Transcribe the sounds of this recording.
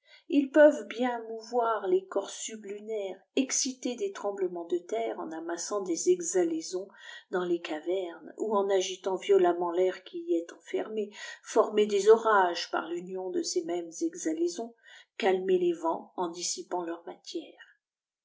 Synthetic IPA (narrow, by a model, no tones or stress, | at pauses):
ilpœvbjɛ̃muvwaʁlekɔʁsyblynɛʁɛksit̪ed̪et̪χɑ̃bləmɑ̃d̪ət̪ɛʁɑ̰̃namasɑ̃d̪ezɛɡzalezɔ̃d̪ɑ̃lekavɛʁnuɑ̃naʒit̪ɑ̃vjɔlamɑ̃lɛʁkʲiiɛt̪ɑ̃fɛ̰ʁmefɔʁmed̪ezɔʁaʒpa̰ʁlynjɔ̃d̪əsemɛmzɛɡzalezɔ̃kalmelevɑ̃ɑ̃d̪isipɑ̃lœʁmat̪jɛːʁ